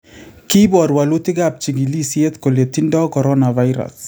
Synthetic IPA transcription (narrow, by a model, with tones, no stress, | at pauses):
ki˦bɔ˨ɾwalu˦ti˦ɡa˨p̚t͡ʃi˨ɡi˨li˦sje˦tkoletindɔ˦kɔɾɔnavajɾa̰s